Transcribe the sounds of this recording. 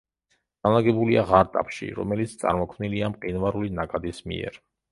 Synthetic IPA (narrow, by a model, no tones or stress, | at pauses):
ɡ̪̥alˠaɡɛbuliaʁaɾt̪ʼa̰pʰʃḭɾɔ̰mɛlit̪sʰt̪sʼa̰ɾmɔkʰmniliamqʼinvaɾulinakʼad̪ismḭɛ̰ɾ